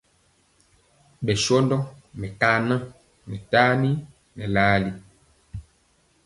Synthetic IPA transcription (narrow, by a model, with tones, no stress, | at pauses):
ɓɛ˨ʃɔ˦ndɔ˦mɛ˨ka˦nã˦ | nɛ˨ta˦ni˦ | nɛ˨la˦li˦